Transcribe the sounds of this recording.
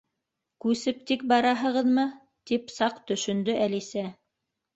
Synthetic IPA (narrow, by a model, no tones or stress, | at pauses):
kʉsɘp̚t̪ik̚bɑɾɑɦɤ̆ʁɤðmɤ | t̪ipsɑqt̪ɵ̆ʃɵ̆nd̪ɵʔælisæ